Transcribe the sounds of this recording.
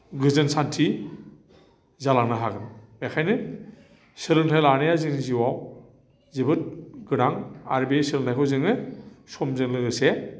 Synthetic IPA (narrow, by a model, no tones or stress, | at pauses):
ɡɯzɯnsantʰi | zalaŋnɯɦaɡɯnbakʰajnɯ | sɯɾɯŋtʰajlanɯjazinziwaw | zibɯt̚ɡɯɾaŋa̰ɾbesɯlɯntʰajkʰɔwzɯŋɯsɔmzɯŋlɯɡɯse